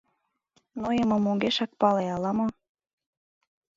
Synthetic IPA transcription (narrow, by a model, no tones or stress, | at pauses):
nojəmɤ̆moɡeʃɑk̚pɑleɑlɑmo